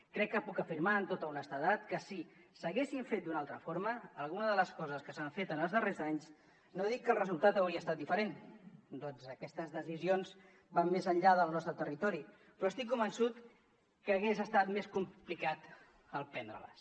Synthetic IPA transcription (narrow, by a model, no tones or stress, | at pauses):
kɾɛkːəpukəfiɾmaənt̪ot̪əunəst̪əðat̪kəsi | səɣesiɱfet̪̚d̪unalˠt̪ɾəfoɾməːlˠɣunəðələskɔzəskəsaɱfet̪ənəlˠzðərezaɲz | noðikːəlrəzulˠt̪at̪əwɾiəst̪at̪̚d̪ifəɾend̪ɔnzəkɛst̪əzðəzizionz | bammːezəʎʎaðəlˠnɔst̪ɾət̪ərit̪ɔɾi | pɾɔəst̪ikːumbənsut̪ | kəːɣezəst̪at̪meskumplikat̪ | əlˠpɛnd̪ɾə̰lə̰s